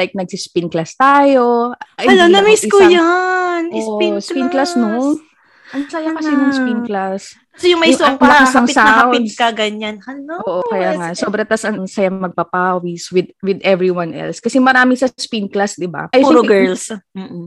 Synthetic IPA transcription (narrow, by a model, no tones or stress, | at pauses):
lajk̚nɐɡ̚sispinklast̪aːjo̞ʔɐjɐlonɐmiskojanːspinklasno | ɐŋsajakɐsɛnʊŋspinklas | sojʊŋmɐjsɐŋmɐkɪsaŋɪsawɪd̪kɐɡɐɲanɐnoʔoːʔokɐjaːŋɐsoːbɾɐt̪asʔɐŋŋsɐjɐmɐɡ̚pɐpawiswɪd̪wɪd̪ɛvɹiwanʔɛ̰lskɐsɛmɐɾaːmɪsɐspinklasd̪ɪba̰ɐjɾoɡɛɹlsm̩ːʔ̩